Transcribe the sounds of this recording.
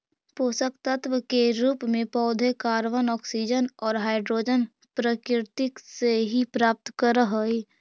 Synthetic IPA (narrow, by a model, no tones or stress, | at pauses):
poːsək̚t̪ət̪ʋəkeɾuːpmẽpɔːd̪ʱekaːɾʋənɔːksid͡ʒənɔːɾɦaːɪɖɾoːd͡ʒən | pɾəkɪɾt̪ɪkseɦipɾaːp̚t̪kəɾəɦəi